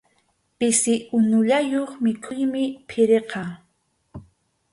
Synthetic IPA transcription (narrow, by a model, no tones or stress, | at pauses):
pɪsɪʔʊnʊʎajoχmɪkʰʊjmɪpʰɪɾeqɑ